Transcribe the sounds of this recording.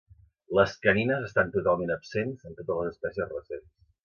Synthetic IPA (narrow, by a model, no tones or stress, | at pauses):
ləskəninəzəst̪ant̪ut̪alˠmenəpsenzənt̪ot̪əzləzəspɛsiəzrəsens